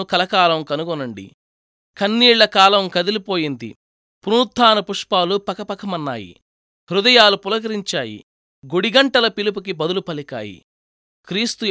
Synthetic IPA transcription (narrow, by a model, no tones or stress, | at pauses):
ukɐlɐkaːlɐmkɐnuɡɔnːɐɳɖḭ | kɐnːiːɭːɐkaːlɐmkɐd̪ilipoːjind̪ḭ | pɾuːt̪ʰːaːnɐpuʂpaːlupɐkɐpɐkɐmɐnːa̰ːjḭ | hɾud̪ɐjaːlupulɐɡɐɾiɲt͡ʃaːjḭ | ɡuɽiɡɐɳʈɐlɐpilup̬uk̬ibɐd̪ulupɐlika̰ːjḭ | kɾiːst̪u